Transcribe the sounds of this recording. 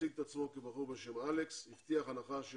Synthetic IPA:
iɡ̚t̪at͡smokibaʁuʁbeʃemalekshift̪iaχanaχaʃe

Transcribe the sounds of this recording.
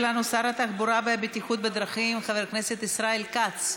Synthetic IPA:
lanusaɾat̪aχbuɾavebet̪iχut̪̚bed̪ɾaχimχaveɾkne̞set̪isɾaelkat͡s

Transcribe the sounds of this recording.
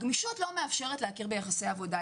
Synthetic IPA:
ɡmiʃotlo̞meafʃe̞ʁetleakiʁbejaχasejavo̞da

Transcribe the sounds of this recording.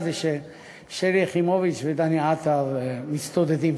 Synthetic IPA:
deʃe | ʃeɾiχimovit͡ʃved̪aniat̪avmit͡st̪od̪ed̪im

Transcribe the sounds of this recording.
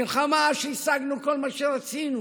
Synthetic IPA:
ilχamaʃeisaɡnuko̞lmaʃeʁat͡sinu

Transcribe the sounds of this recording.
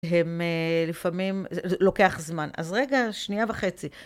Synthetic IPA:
ɦemelifamimlo̞ke̞aχzmana̰zʁe̞ɡaʃniavaχet͡si

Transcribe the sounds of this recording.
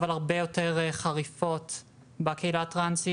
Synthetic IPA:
valaʁbejo̞teʁχaʁifo̞t | bakeilatʁansi

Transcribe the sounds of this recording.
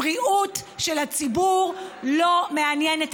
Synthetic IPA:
ʁiʔutʃelat͡sibuʁlo̞meanjenet

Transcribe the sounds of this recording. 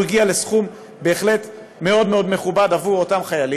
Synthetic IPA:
iɡiale̞sχum | be̞ːχle̞t | me̞o̞dmeo̞dme̞χubadavuotamχajali

